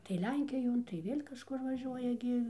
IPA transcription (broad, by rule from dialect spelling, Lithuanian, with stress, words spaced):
tɐɪ ˈlʲɛŋʲkʲɪjoːn tɐɪ ˈʋʲeːlʲ kɐʃˈkʊr ʋɐˈʒʲuɔjɛ ɡʲɪ